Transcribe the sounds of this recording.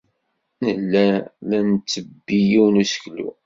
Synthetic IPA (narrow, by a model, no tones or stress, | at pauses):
nəlːælænt͡sːəbːijiwnusə̥klṵ